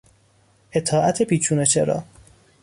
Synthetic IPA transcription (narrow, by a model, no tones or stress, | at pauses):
ʔe̞t̪ʰɒːʔæt̪ʰepiːt͡ʃʰuːnet͡ʃʰḛɾɒ̰ː